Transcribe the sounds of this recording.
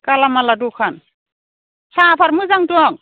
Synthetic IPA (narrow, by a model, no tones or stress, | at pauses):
kalamaladukʰan | sʰapʰaɾmɯzaŋtuaŋ